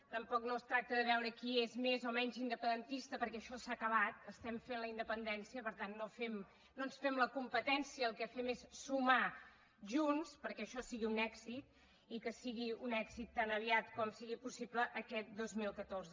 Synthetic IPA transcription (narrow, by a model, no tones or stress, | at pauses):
t̪əmpɔknost̪ɾak̚t̪əðəβ̞ɛwɾəkiezmezɔmɛɲzind̪əpənd̪ənt̪ist̪əpəɾkɛəʃɔsakəβ̞at̪̚əst̪ɛmfenləind̪əpənd̪ɛnsiəpəɾt̪anːofɛm | nːonsfɛmləkumpət̪ɛnsiəːlˠkɛfɛmesːuma | ʒunspəɾkɛəʃɔsiɣiunɛɡzit̪̚ | ikəsiɣiunɛkzit̪ːanəβiat̪kɔmsiɣipusipləʔːkɛt̪̚d̪ozmilˠkət̪orzə